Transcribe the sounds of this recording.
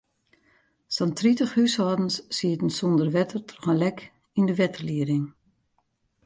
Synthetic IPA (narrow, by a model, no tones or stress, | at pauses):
sɔntʰritəxhyshɔːdən̩sːiətən̩sɔndərʋɛtʰərtʰɔxəlɛk | indəʋɛtərliəɾɪŋ